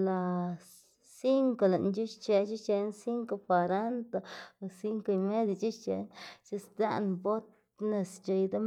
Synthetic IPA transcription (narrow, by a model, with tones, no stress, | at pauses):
la˨ | si˦ŋko˨la˨ʔnt͡ʃu˦ʃt͡ʃe˧t͡ʃu˦t͡ʃe˧˦nsi˦ŋko˧pa˨ɾa˦nt̪a˧˨si˦ŋko˧i˧me˦d̪ʲa˨t͡ʃu˦ʃt͡ʃe˧˦nt͡ʃe˦sd̪a̰˦nbo˦t̪̚ | ne˧st͡ʃo˧jd̪a˦m